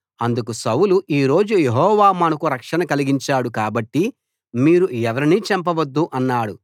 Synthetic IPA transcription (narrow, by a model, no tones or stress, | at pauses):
ɐnd̪ukusɐwuluʔiːɾo̞ːd͡ʒujeɦɔːʋaːmɐnɐkuɾɐkʂɐnɐkɐliɡiɲt͡ʃaːɽukaːbɐʈːi | miːɾuɛʋɐɾiniːt͡ʃɛmpɐʋɐd̪ːuʔɐnːaːɽu